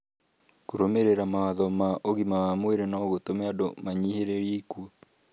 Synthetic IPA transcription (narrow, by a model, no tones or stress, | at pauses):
koɾomeɾeɾamawaðɔmaʔoɣimawamweɾenɔɣotomɛadomaɲiheɾeɾikuo